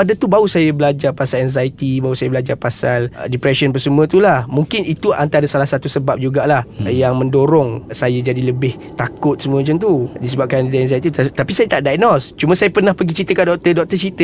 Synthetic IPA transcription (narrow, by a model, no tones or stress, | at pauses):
adat̪ubausajəbəlad͡ʒarpasalɛnzait̪ibausajabəlad͡ʒarpasaldipɾɛʃənpərsəmũə̃t̪ulahmuŋkɪnit̪uant̪aadasalahsat̪usəbap̚d͡ʒuɡaʔlahjaŋmə̃ndoɾɔŋsajad͡ʒadiləbɪh | t̪akʊt̪̚səmũəmat͡ʃant̪udisəbap̚kandidaɛnzajt̪it̪t̪apisajat̪aʔdaj̚nɔst͡ʃumãsajapərnãhpəɡit͡ʃit̪əkandɔk̚t̪ədɔk̚t̪ət͡ʃit̪ə